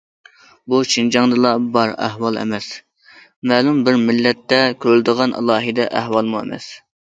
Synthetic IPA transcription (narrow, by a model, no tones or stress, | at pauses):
but͡ʃʰind͡ʒɑŋd̪ɨlˠɑbɑɾæ̰hwɑlˠɛ̰mɛs | mɛːlumbɪɾmɪlːɛt̪ːɛkʲʰøɾyld̪əʁɑnʔɑ̰lˠɑːɦɨd̪ɛʔæɦwɑlˠmuɛ̰mɛ̰s